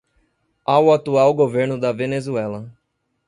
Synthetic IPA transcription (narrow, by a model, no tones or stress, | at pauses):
awat̪uawɡoveɾnʊd̪ɐvenezuɛlɐ